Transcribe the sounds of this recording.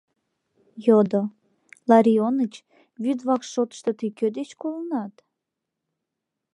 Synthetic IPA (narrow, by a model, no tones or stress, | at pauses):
jod̪o | lɑɾʲionət͡ɕ | βyd̪βɑkʃot̪ə̥ʃt̪ot̪ikød̪et͡ɕkolənɑt̪